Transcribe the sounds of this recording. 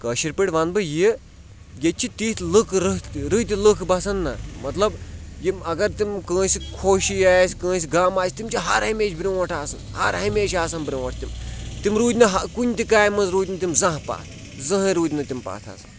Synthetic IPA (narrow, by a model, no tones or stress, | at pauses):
kɐʃiɾpiʈʲʋɐnbɨji | jet͡ʃʰit̪iːt̪lɨkʰɾɨɾɨt̪ʲilɨkʰbɐsɐnːɐ̰mɐt̪lɐbjiɐɡɐɾt̪imkə̃ːsikʰoːʃijaːsʲkə̃ːs̬iɡaːmaːsʲt̪imt͡ʃʰiɦɐɾɦɐmeːt͡ʃʰbɾʲĩɐʈʰaːsɐnhɐ̰ɾɦɐmeːʃaːsɐnbɾʲĩɐʈʰt̪imt̪imɾuːd̪ʲnɐɦɐkunʲt̪ikaːjmɐnzɾuːd̪ʲnɐt̪imzɐ̃ɦpa̰ːt̪ʰ | zɐ̃ɦɾuːd̪ʲnɐt̪impa̰ːt̪ʰa̰ːsɨ̥n